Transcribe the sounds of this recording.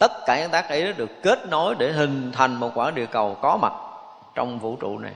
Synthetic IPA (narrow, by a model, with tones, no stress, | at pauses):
t̪ə˦˥t̚kaː˧˩ɲa˧ŋt̪aː˦˥k̚ʔə˨˦jɗɔ˨˦ɗɨ˨˩əkːe˦˥t̚no˨˦jɗe˧˩ɦï˨˩ŋ̟t̪ʰa˨˩jŋ̟mo˨˩t̚kwaː˧˩ɗi˨əkə˨˩wkɔ˨˦ma˨˩t̚ | t͡ɕɔ̰˧wŋ͡mvṵ˧˥t͡ɕṵ˧˨na̰˨˩j